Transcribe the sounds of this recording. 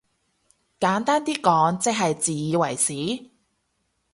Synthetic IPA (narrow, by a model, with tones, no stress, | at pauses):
kaː˨˥nt̪aː˥nt̪iː˥kɔː˨˥ŋt͡sɪ˥k̚ɦɐ˨jt͡siː˨jiː˨˧wɐ̰˨˩jsiː˨˥